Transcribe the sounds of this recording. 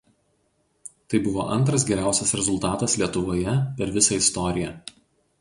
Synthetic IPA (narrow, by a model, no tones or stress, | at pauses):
t̪ɐɪbʊʋo̰ːʔɐnt̪ɾɐs̬ɡʲɛɾʲæˑʊsʲɛsɾʲɛzʊlˠt̪ɑːt̪ɐslʲiɛt̪ʊʋoːjɛpʲɛɾʋʲɪsɐɪst̪ɔɾʲɪjɛ